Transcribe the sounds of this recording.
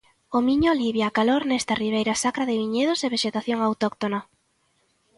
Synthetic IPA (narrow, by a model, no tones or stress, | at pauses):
omiɲoliβjaːkaloɾnɛst̪ariβ̞ejɾasakɾaðɪβiɲeð̞oseβeʃet̪aθjoŋawt̪ɔkt̪ona